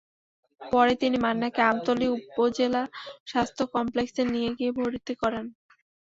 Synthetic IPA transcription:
pɔɾet̪inimanːakeamt̪oliupːod͡ʑelaʃast̪ʰokɔmpleksenijeɡiebʱoɾit̪ekɔɾen

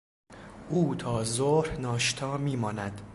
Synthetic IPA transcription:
ʔuːt̪ʰɒːzoːhnɒːʃt̪ʰɒːmiːmɒːnæd̪̥

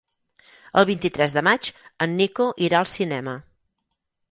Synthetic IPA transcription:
ə̰lˠβint̪it̪ɾɛzðəmat͡ʃənːikoʔiɾaəlˠsinɛmə

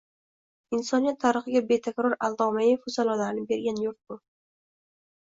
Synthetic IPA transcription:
ɪnsɒnijat̪ʰːaɾɨχɨɡʲabe̞t̪ʰekʲɾɒɾalˠd̪ɒmajɪfʊsalˠɒlaɾɪnɪbe̞ɾɡʲanjʊɾt̪̚bʊ

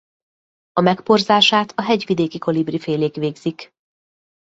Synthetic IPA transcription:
ɒmɛkporzaːʃaːt̪ɒɦɛɟʋid̪eːkiko̞librifeːleːkʋeːɡz̥ik

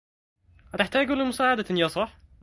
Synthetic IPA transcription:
hat̪ɪħt̪aːɡulimʊsaːʕad̪anjasˤɑħ

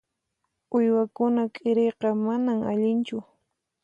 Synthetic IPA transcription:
ʊjwakʊnakʼɪɾejqɑmanama̰ʎɪnt͡ʃʊ

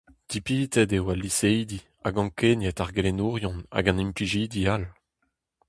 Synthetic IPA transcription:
d̪̥ipiːtɛdewalːisejd̪i | aɡɑ̃kenjɛtaʁɡelenuːʁjɔ̃na̰ɡɑ̃nĩmpliʒiːd̪ial

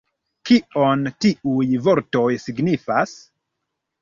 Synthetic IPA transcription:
kio̞ntiujvo̞ɾto̞jsiɡnifas

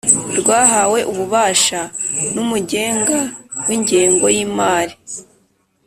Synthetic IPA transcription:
ɾɡwaːɦawe̞ʔuβuβaːʃanumuɟe̞ːŋɡawiɲɟeːŋɡo̞jiːmaːɾi

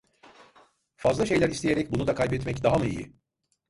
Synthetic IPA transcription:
fazlˠaʃe̞jlʲæɾist̪ʰejeɾɛc̚bunud̪akʰajbɛt̪mɛcd̪aɦamɯḭjḭ

